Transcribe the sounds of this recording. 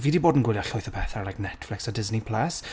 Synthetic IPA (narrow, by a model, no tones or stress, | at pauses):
viːdiboːdn̩ɡwɪlˠjaɬʊjθəpʰɛθaɾlajknɛtflɪksadɪznipʰl̥ɛs